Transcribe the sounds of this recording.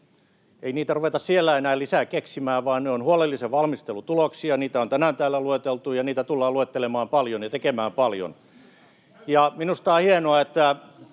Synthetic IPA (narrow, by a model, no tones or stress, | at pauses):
einiːt̪æruʋet̪ɑssielːæenæːlisækeksimæːʋʋɑːnneonhuolelːiseʋʋɑlmist̪elut̪uloksiɑniːt̪æont̪ænænt̪æːlːˑæluet̪elt̪ujɑniːt̪æt̪ulːɑːluet̪ːelemɑːmpɑljonjɑt̪ekemæːmpɑljo̰n | jɑminust̪ɑːhienoɑet̪ːæ